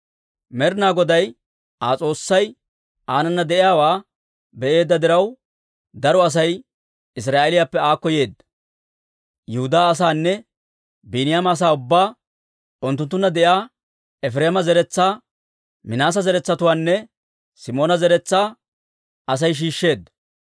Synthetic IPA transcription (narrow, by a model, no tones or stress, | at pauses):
mɛɾnaːɡɔd̪ɐj | aːt͡sʼo̞ːsːɐj | aːnɐnːɐd̪ɛʔɪjaːwaː | bɛʔe̞ːd̪ːɐd̪ɪɾɐw | d̪ɐɾɔɐs̬ɐj | ɪs̬ɾaːʔɛlɪjapːɛaːkːɔje̞ːd̪ːɐ | jɛhʊd̪aːs̬aːnːɛ | biːnɪjamaːs̬aːʊbːaː | ʊnt̪ːʊnt̪ːʊnːɐd̪ɛʔjaː | ɛfɾeːmɐzɛɾɛt͡sːaː | mɪnaːs̬ɐzɛɾɛt͡sːɐt̪ʊwaːnːɛ | sɪmo̞ːnɐzɛɾɛt͡sːaː | ʔɐs̬ɐjʃ̬iːʃːe̞ːd̪ːɐ